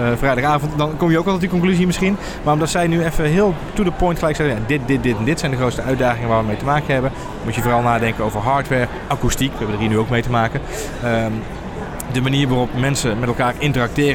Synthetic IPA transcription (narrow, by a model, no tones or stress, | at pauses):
vrɛjdɑχaːvɔntdɑnkɔmjəokɔlˠtɛtəkɔŋklyzimɪsχin | maːrɔmdɑtsɛjnyɛfəɦɪːəlˠtudəpɔjntχəlɛjksɛəjadɪt̚dɪt̚dɪtɛndɪtsɛjndəxrowtstəœɥdaːχɪŋəʋaːɹʋəmejtəmaːkənɦɛbən | mutjəvoːrɑlˠnaːdɛŋkənowvəɹɦɑːɹtʋɛːɹ | akustikʋəɦɛbədərɦiːnyowk̚mejtəmaːkən | ə | dəmaniːɹʋarɔpmɛnsəmɛtɛlˠkaːrɪntərɑk̚tɪːr